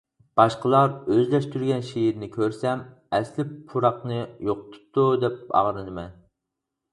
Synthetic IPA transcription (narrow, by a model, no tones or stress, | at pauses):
b̥ɑʃqəlˠɑɾøzlɛʃt̪ʰyɾɡʲɛnʃejiɾnɪkʲʰøɾsɛm | ɛslɪpʰːuɾɑqnɨjoqʊ̥t̪ʰʊ̥p̚t̪ʰud̪ɛp̚ɑ̰ʁɾɨnɨmɛn